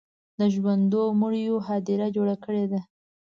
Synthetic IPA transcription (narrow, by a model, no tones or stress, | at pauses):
d̪əʒwand̪oməɽjoɦɑd̪iɾad͡ʒoɽakəɽed̪a